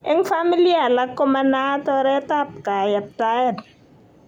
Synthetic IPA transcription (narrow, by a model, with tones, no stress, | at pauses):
ɛ˦ŋfa˦mi˦lia˦˨la˨˦kɔ˦ma˦na˦tɔ˦ɾɛ˦ta˦p̚ka˨jɛ˨p̚ta˦ɛ˨t